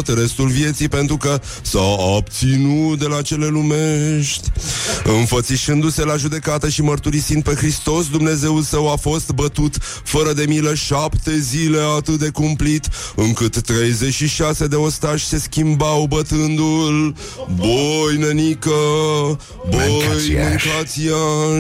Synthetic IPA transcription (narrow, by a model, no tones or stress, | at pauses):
t̪re̞st̪ulvje̞t̪sijpe̞nt̪ɾukə | saab̚t̪sinut̪d̪e̞lat͡ʃe̞le̞lume̞ʃt̪ʲɨnfət̪siʃɨnd̪use̞laʒud̪e̞kat̪əʃimərt̪uɾisind̪̚pe̞xɾist̪o̞sd̪umne̞ze̞ulsəwafo̞st̪bət̪ut̪ | fəɾəd̪e̞miləʃapt̪e̞zile̞at̪ɨt̪̚d̪e̞kumplit̪ɨŋkɨt̪ːɾe̞jze̞t͡ʃʃiʃase̞d̪e̞o̞st̪aʒʲse̞skʲimbawbət̪ɨnd̪ul | bojnenikə | bojmɨŋkat̪sija